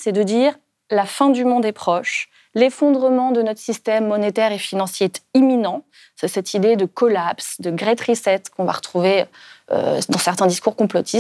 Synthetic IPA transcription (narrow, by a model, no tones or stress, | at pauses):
sɛd̪əd̪iʁ | lafɛ̃d̪ymɔ̃d̪ɛpχɔʃ | lefɔ̃d̪ʁəmɑ̃d̪ənɔt̪χəsist̪ɛmːɔnet̪ɛʁefinɑ̃sjeɛt̪iminɑ̃ | sɛsɛt̪ʰid̪ed̪əkɔlapsd̪əɡʁet̪χisɛt̪kɔ̃va̰ʁət̪χuveø̰d̪ɑ̃sɛʁt̪ɛ̃d̪iskuʁkɔ̃plɔt̪ʰis